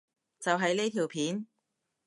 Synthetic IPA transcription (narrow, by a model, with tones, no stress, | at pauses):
t͡sɐ˨wɦɐ˨˧jne˥t̪ʰiː˨˩wpʰiː˨˥n